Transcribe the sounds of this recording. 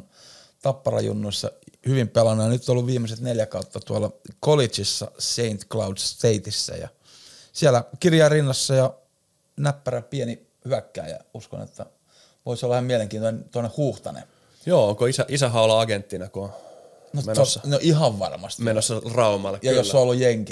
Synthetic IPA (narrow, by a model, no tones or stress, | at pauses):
t̪ɑpːɑrɑ̰jṵnːuisːɑ̰hyʋimpelɑnojɑnyt̪ːolːuʋʋiːmːeset̪neljækɑut̪ːɑt̪uɑlːɑkolit͡ʃisːɑ̰seint̪klɑudsst̪eit̪isːæ̰jɑ̰ | siælːækirjɑirinːɑsːɑjɑ | næpːæræpieni | hyækːæ̰ːjɑ̰usko̰nḛt̪ːæ | ʋoisolːhɑmieleŋkiːt̪onent̪onːehhuːht̪ɑ̰nḛ | joːoŋkoisæʔisæɦɑolɑɑɡent̪ːinɑko | notmensːɑnoʔihɑʋʋɑ̰rmɑ̰st̪mienosːɑrɑumɑlːɑkjɑjosːoolːujjeŋki